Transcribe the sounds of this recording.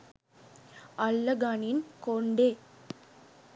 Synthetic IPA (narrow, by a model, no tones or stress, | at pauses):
ɐlːɐɡaːninkoɳɖeː